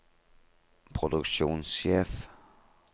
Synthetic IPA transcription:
pʰʁod̥̪ʊkɕo̰ːnsɕḛːf

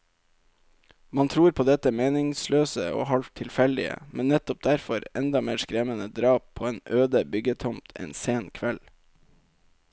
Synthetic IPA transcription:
mɑnt̪ʰɾuːɾpʰoːd̪ɛt̪əmeːnɪŋsløːsəo̰ːhɑlt̪ʰːɪlfɛld̪ɪ̰ə̰mʔɛnnːɛt̪ɔp̚d̪æɾfɔɾɛnd̪ɑmeːskɾɛmənəd̪ɾɑːp̚ʰːoːeːnøːd̪əbʏɡət̪ʰɔmt̪ʰɛ̰nseːnkʰʋɛl

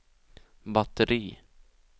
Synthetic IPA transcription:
bat̪əɾiː

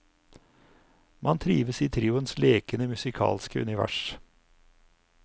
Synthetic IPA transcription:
mɑnt̪ʰɾiːʋəsiːt̪ʰɾiːʊənsleːkənəmʉsɪkʰɑ̰ːlskəʉ̰nɪʋæ̰ʂ

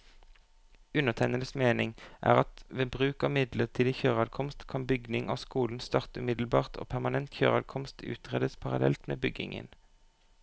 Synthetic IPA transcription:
ʉnəʁt̪ʰæɪnələsmeːnɪŋʔæ̰ːʁɑt̪ʋeːbʁʉːkɑːmɪd̪ləʁt̪ʰiːd̪içøːʁɑːd̪kʰɔmst̪kʰɑnbʏɡnɪŋʔɑ̰ːʋskuːln̩st̪ɑːʁt̪ʉːmɪd̪l̩bɑːʁt̪ʰo̰ːpʰæʁmɑnɛnt̪çøːʁɑd̪kʰɔmst̪ʰʉ̰ːt̪ʁeːd̪əspʰɑʁɑ̰lɛlt̪mḛːbʏɡɪ̰ŋə̰n

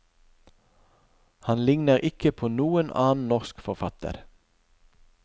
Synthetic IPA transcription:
hɑnlɪŋnəʁʔɪkəpʰoːnuːənʔɑːn̩nɔʁskfɔʁfɑt̪ə̰ɾ

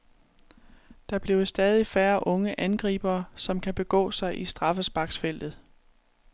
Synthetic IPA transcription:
d̥ɑ̈b̥le̝ʊsd̥ɛːð̞ˠifæːɐʔɔ̽ŋəʔænɡ̥ʁḭːb̥ɐːsɒ̽mkʰæb̥e̝ɡ̥ɔ̰̽ːsɑ̈ɪʔisd̥ʁɑ̈fəsb̥ɑ̈ɡ̥sfel̰d̥ð̞̩ˠ

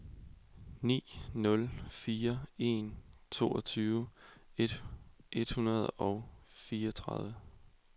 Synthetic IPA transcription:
nḭːnɔ̽lfiːɐe̝nt͡sʰo̝̰ːɒ̽t͡sʰyːʊed̥ʔe̝d̥hunɐð̞ˠɒ̽ʊfiːɐɒt͡sʰʁɑðˠʋə

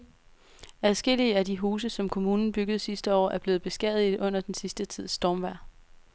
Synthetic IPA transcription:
æðˠsɡ̥e̝l̰iəædiɦuːs̬əsɒ̽mkʰo̝muːnn̩b̥yɡ̥əð̞̩ˠsisd̥əɒ̰ːæɐb̥le̝ːð̩ˠb̥e̝sɡ̥ɛð̩ˠiðʔɔ̽n̰ɐd̥ensisd̥ət͡sʰið̰ˠsd̥ɒːmʋæɐ̰

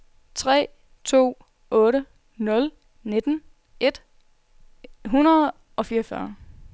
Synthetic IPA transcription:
t͡sʰʁɛ̰ː | t͡sʰo̝̰ː | ɔ̽ːɾə | nɔ̽l | ne̝d̥n̩ | e̝d̥ | ɦunɐð̩ˠ | ɒ̽fiːɐfɶɐ

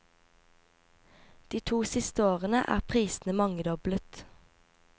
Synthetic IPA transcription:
d̪̥iːt̪ʰuːsɪst̪əoːʁənə̰ʔæ̰ːʁpʰʁiːsn̩əmɑŋəd̪ɔblət̪

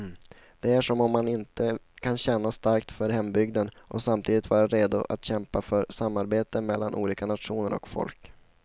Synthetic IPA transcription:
d̪̥ɛæʂɔmɔmːanɪnt̪əkʰanɕɛnːast̪aɾkt̪fœɾɦɛmːbʏɡd̪ənʔɔsamt̪ʰiːd̪ɪt̪vɑːɾaɾeːd̪ʊʔa̰t̪ɕɛmpafœɾsamːaɾbeːt̪əmɛlːa̰nʔṵːliːkanat̪ʂuːnəɾɔ̰kfɔ̰lk

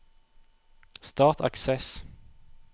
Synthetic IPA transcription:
st̪ɑːʁt̪ʰɑksɛs

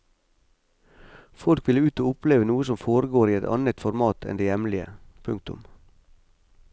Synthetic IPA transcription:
fɔlkʋɪləʉːt̪oːʊpleːʋənuːəsɔmfoːɾəɡoːɾiːɛt̪ɑ̰nət̪fɔɾmɑːt̪ʰɛ̰nd̪eːjɛmlɪə̰pʰʉŋk̚t̪ʊ̰m

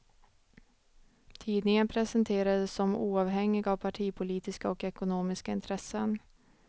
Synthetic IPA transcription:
t̪ʰiːd̪nɪŋənpʰɾɛsənt̪ʰeːɾad̪əsːɔmuːaːvɦɛŋːɪɡavpʰaʈʰiːpʰʊliːt̪ɪskaɔkɛkʊnoːmɪskaɪnt̪ʰɾɛsən

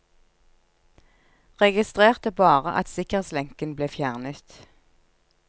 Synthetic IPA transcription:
ʁɛɡɪst̪ʁeːʁt̪əbɑːʁəʔɑ̰t̪sɪkəʁeːt̪slɛŋkənbleːfjæːʁnət̪

